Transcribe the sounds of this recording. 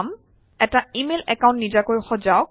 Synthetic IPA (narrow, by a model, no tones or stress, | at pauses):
m | ɛtaimelɛkaʊ̃ntnid͡ʒakojxɔzaʊk̚